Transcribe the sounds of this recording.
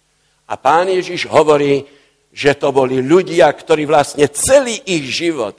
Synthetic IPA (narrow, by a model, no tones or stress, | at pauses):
ʔa̰paːnjɛʒiʒɦɔʋɔɾiː | ʒɛt̪ɔbɔliʎuɟɪakt̪ɔɾiːʋlastɲɛt͡sɛliːʔiɣʒiʋɔ̰t̪